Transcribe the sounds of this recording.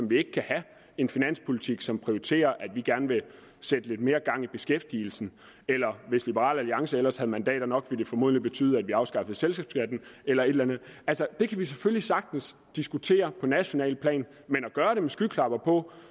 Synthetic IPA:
sɒ̽mʋie̝ɡ̥ə̥kʰæhæ | e̝nfinæn̰spʰo̝lit͡sʰiɡ̥sɒ̽mpʰʁioit͡sʰe̝̰ːɐʔæd̥ʋiɡ̥æɐnəʋe̝ | sed̥əle̝d̥̚me̝ːɐɡ̥ɑ̈ŋ̰ib̥e̝sɡ̥efd̥iːl̩sn̩ | elɐʋe̝slib̥əʁɑ̰̈ːlæliɑ̈ŋsəelɐshæðˠmænd̥ɛ̰ːɾ̥ɐnɒ̽ɡ̥ʋe̝d̥e̝fɒ̽mo̝ð̰ˠnlib̥e̝t͡sʰy̰ːð̩ˠæd̥ʋiɑ̈ʊsɡ̥ɑ̈fð̩ˠselsɡɛːb̥sɡ̥æd̥n̩elɐe̝d̥lænð̩ˠælsɐd̥e̝kʰæʋis̬eføllisɑ̈ɡ̥̚d̥n̩s | d̥isɡ̥ut͡sʰe̝̰ːɐpʰɒ̽næɕo̝nɛ̰ːlpʰlɛ̰ːn | menæɡ̥ɶːɐɾe̝mesɡ̥ykʰlɑ̈b̥ɐpʰɒ̽

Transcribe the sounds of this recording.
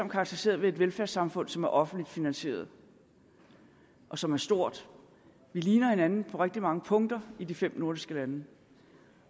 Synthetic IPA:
ɒ̽m̰kʰɑ̈ɡ̥̚t͡sʰɐʁise̝̰ːɐð̞ˠʋe̝e̝d̥ʋelfæɐsɑ̈mfɔ̽n̰sɒ̽mæɐʔɒ̽fn̩dlid̥finænɕe̝̰ːɐð̞ˠ | ʔɒ̽sɒ̽mæɐsd̥o̝ɐ̰d̥ | ʋiliːnɐhe̝nænn̩pʰɒ̽ʁeɡ̥̚d̥imɑ̈ŋəpʰɔ̽ŋd̥ɐidifem̰no̝ɐd̥isɡ̥əlænə

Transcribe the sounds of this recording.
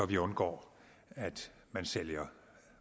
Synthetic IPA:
ɒʋiɔ̽nɡ̥ɒ̰ː | æd̥ | mænseljɐ

